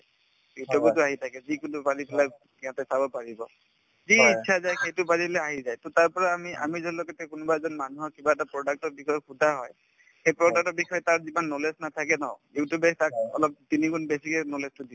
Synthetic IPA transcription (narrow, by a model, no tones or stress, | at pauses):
jutjubɔtʊaɦitʰakɛzikunupaɹipʰɛlaj | kiãtɛsabɔpaɹibɔ | ziitːʰazajxejtʊpaɹiblɛaɦizajtʊtaɹpɔɹaːmiʔa̰mizɔnlɔkɛtɛkʊnʊbaɛzɔnmanuɦɔɹkibaɛtapɹɔdak̚tɔɹbikʰɔjɔkʰudʱaɦɔj | xejpɹɔk̚tak̚tɔɹbixɔjɔtaɹzimanːolesnatʰakɛnɔjutjubɛtak̚ɔ̰lɔp̚tiniɡunbesikɛnolestʊdi